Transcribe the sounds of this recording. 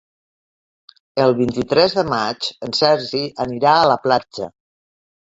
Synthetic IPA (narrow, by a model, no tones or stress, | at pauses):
əlˠβint̪it̪ɾɛzðəmat͡ʃənsɛɾʒiʔəniɾaələplad͡ʒə̰